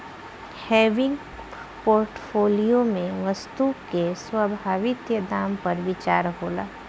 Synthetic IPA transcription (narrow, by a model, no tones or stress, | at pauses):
hɛːʋɪ̃ŋɡ | poːɾʈfoːlijomẽʋəst̪uːkeswɐbʱaːʋɪt̪jəd̪aːmpɐɾʋɪt͡ʃaːɾɦoːla̰ː